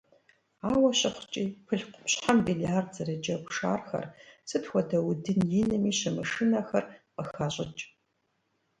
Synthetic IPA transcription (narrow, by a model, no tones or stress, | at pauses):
aːwɐɕɪχʷt͡ʃʼiːpʰɨɬqʷʊpɕħambiliaːrdzɐrɨd͡ʒɐpʷʂa̰ːrxɐ̰rsɨtxʷɔdɐwdɨnjinɐmiːɕɐmɨʂɨnɐxɐrqəxaːɕʼɪt͡ʃʼ